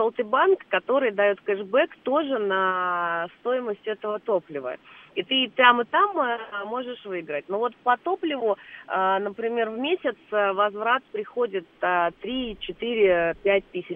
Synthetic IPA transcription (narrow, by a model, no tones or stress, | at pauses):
solˠt̪ɨbankːɐt̪o̞ɾɨjd̪ɐjo̞t̪kɛʐbɛkt̪o̞ʐɨnast̪o̞jɪməsʲtʲɛt̪əvət̪o̞plʲɪvə̰it̪ɨp̪ʲamɨt̪ammo̞ʐɨʂvɨɡɾət̚ʲnovo̞t̪pɐt̪o̞plʲɪvʊənəpɾʲɪmʲe̞rvmʲesʲɪt̪səvɐzvɾat̪pɾʲɪxo̞dʲɪt̪ət̪ɾʲit͡ɕɪt̪ɨɾʲɪpʲæt̚ʲt̪ɨsʲɪ